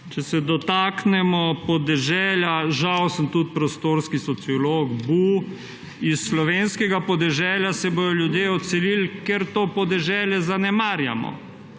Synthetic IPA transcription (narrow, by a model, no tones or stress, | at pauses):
t͡ʃɛsɛd̪ɔt̪aːknɛmɔpɔd̪ɛʒɛːljaʒawsəmt̪ut̪̚pɾɔst̪oːɾskisɔt̪siɔloɡbu | isːlɔʋeːnskɛɡapɔd̪ɛʒɛːljasɛboːj̪ɔljud̪jeɔt̪sɛlilkeɾt̪opɔd̪ɛʒɛːljɛzanɛmaːɾja̰mɔ̰